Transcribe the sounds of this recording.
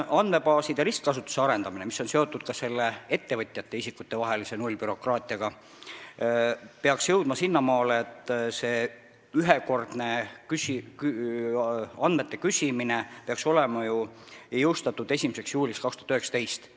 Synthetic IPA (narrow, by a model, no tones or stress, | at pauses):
ɑnme̞bɑːsid̪eɾiskkɑsut̪ːˑu̥seɑɾe̞nd̪ɑminemiso̞nseo̞t̪ːˑud̪̥kɑse̞lːee̞t̪ːe̞vɤt̪ʲːˑjɑt̪ːe̞isikːut̪ːe̞vɑɦe̞lise̞nulʲːpyɾo̞krɑːt̪ʲˑiɑɡ̥ɑ | peɑksjɤwd̪̥mɑsinːɑmɑːleet̪ːˑse̞ː | yɦeko̞rd̪̥ne̞kysiky | ɑnd̪me̞t̪ˑːe̞kysiminepeɑkso̞lemɑjujɤwst̪ɑt̪ːˑud̪e̞sʲimise̞ksjuːlikskɑkst̪u̥ɑ̥t̪yhe̞ksɑ̥t̪e̞jst̪